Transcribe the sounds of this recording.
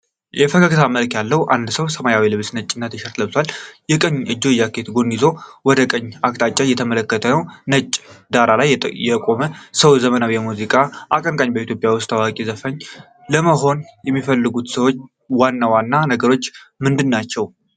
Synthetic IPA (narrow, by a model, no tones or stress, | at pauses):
jɛfəkʰakʰt̪ʰaməlkjalːəwʔand̪səwsəmajawilɨβsnət͡ʃʼːɪnːat̪ʰəʃɛɾt̪ləβsalːjɛkʼəɲːʔɨd͡ʒːo̞jːakʰet̪ɡo̞nːizowɔd̪əkʼəɲːak̚t̪ʼat͡ʃʼːajɛt̪ʰəmələkːət̪ʰənəwnət͡ʃʼːd̪aɾalajjɛkʼo̞məsəwzəmənawjɛmuzikʼaʔakʼəŋkʼaɲbəit̪ʰjopʼjawʊst̪awakʼizəfəɲː | ləməɦo̞njɛmːifəlːɨɡut̪səwo̞t͡ʃː | wanːawanːanəɡəɾo̞t͡ʃːmɨnd̪ɨnːat͡ʃːɛw